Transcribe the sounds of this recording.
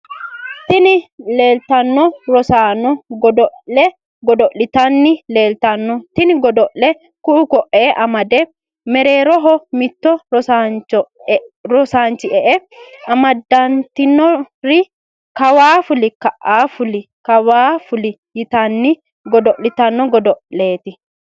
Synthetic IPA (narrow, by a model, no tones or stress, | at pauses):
t̪ɪnɪleːlt̪ɐnːɔɾɔsaːnɔɡɔd̪ɔɛ | ɡɔd̪ɔʔlɪt̪ɐnːɪle̞ːlt̪ɐnːɔt̪ɪnɪɡɔd̪ɔʔlɛ | kuːkɔʔːeːʔɐmɐd̪ɛ | mɛɾe̞ːɾɔɦɔmɪt̪ːɔɾɔsat͡ʃɔɾɔsaːnt͡ʃɪʔɛʔɛɐmɐd̪ɐnt̪ɪnːɔɾɪ | kɐwaːfʊlɪkɐʔaːfʊlɪ | kɐwaːfʊlɪ | jɪt̪ɐnːɪ | ɡɔd̪ɔʔlɪt̪ɐnːɔɡɔd̪ɔʔle̞ːt̪ɪ